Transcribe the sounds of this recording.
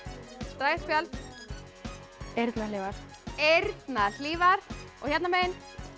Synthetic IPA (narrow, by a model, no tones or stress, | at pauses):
t̪ɾaːjspjalt̪ | eɾt̪naliːvaɾ̥ | eɾt̪naðliːvaɾ̥ɔ̰çɛt̪nameːjɪn